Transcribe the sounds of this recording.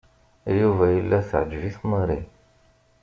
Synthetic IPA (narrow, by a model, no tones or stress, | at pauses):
juvæjəlːæθʕəd͡ʒviθməɾḭ